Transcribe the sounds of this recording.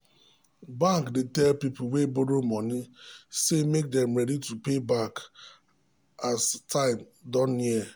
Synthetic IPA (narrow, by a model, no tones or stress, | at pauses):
bãŋkdetɛlpip̩weboɾomɔnisemek̚dɛmɾɛditupebak | astʰãɪm | dɔni